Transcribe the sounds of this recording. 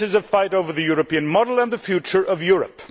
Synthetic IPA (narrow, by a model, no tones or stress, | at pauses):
ɨzʌv̥faɪɾoʊvə˞ðɨjɔɹɨpĩɨ̃nmɑdl̩ˠə̃nðəfjʉt͡ʃə˞ʔʌvjʊɹɨ̰p